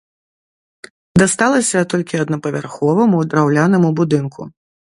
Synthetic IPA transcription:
d̪ast̪alˠɐsʲɐt̪ɔlʲkʲiɐd̪nɐpɐvʲarxɔvɐmud̪ɾawlʲanɐmubud̪ɨnkʰṵ

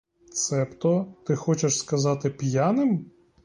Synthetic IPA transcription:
t̪sɛpt̪ɔt̪ɪxɔt͡ʃeʃskɐzɑt̪ɪpʲjanɪm

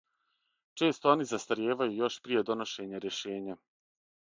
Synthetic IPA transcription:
t͡ʃe̞ːst̪oo̞nizast̪aɾjeːʋajujo̞ʃpɾije̞d̪o̞noʃe̞ɲaɾje̞ʃeːɲa

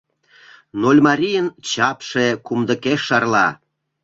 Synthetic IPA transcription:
nolʲmɑɾʲijənt͡ɕɑpʃekumd̪ə̆keʃːɑrlɑ

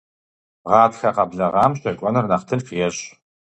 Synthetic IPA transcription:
ʁɑːtxɐqɐbɮɐʁɑːmɕɐkʷʼɔnɨrnɐχtʰɨnfijɛɕʼ

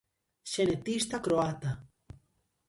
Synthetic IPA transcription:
ʃenet̪ist̪akɾoat̪a

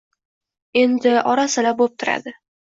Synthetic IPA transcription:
e̞nd̪ɪʔɒɾasɪlabop̚t̪ʰʊɾa̰d̪ɪ

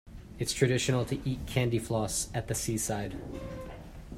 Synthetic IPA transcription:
ɨtstʰɹ̥ɨɾɪʃɨnl̩ˠtʰɨʔit̚kʰæ̃ndiflɔsɨt̪̚ðɨsisaɪd̥

